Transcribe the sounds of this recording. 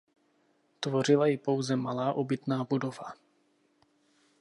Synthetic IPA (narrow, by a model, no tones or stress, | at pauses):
t̪vo̞r̝ɪlajɪpo̞wzɛmalaːʔobɪt̪naːbudo̞va